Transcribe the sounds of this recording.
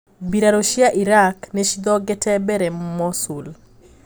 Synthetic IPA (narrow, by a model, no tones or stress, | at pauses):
biɾaɾoʃjaʔiɾakneʃid̪ɔɡɛtɛbɛɾɛmɔsul